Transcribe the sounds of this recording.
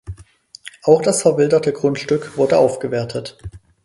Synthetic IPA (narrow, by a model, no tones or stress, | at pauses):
ʔaʊxd̥asfɛɐvɪldɐtʰəɡʁʊntʃtʏkv̥ʊɐdəʔaʊfɡ̥əveːɐtʰət